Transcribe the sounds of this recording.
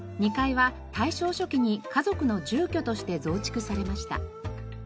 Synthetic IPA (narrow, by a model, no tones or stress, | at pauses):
ɲ̟ikaiβa | t̪aiɕo̞ːɕo̞kʲiɲ̟ikazo̞kɯ̟no̞d͡ʑɨːkʲo̞t̪o̞ɕi̥t̪e̞zo̞ːt͡ɕi̥kɯ̟saɾe̞maɕi̥t̪a̰